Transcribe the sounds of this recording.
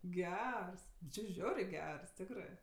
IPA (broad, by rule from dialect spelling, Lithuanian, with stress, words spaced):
ˈɡʲɛrs nʊ t͡ʃʲeː ˈʒʲɛʊrʲeː ˈɡʲɛrs ˈtʲɪkrɜ